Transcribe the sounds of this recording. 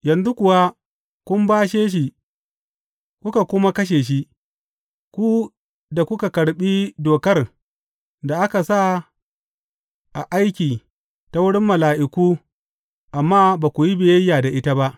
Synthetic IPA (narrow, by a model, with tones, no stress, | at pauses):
jɐ˨nzu˦kʷʊ˨wa˦ | kʷʊ˦mbaː˦ʃ̬eː˦ʃ̬i˨ | kʷʊ˦ka˨kʷʊ˦ma˦kɐ˦ʃ̬eː˨ʃ̬i˦ʔ | kʷu˦ | da˨kʷʊ˦ka˨kɐ˨ɽɓiː˦doː˨kɐ˦r | da˨ʔa˦ka˨sa˦˨ | ʔa̰˨ʔa˦jkʲiː˨ | ta˨wʊ˦ɽɪ˦mːɐ˨laː˨ʔɪ˨kuː˦ | ʔa˨mːaː˦baː˨kʷu˨ji˦be˨jɐ˦jːaː˨da˨ʔɪ˦ta˦ba˦ʔ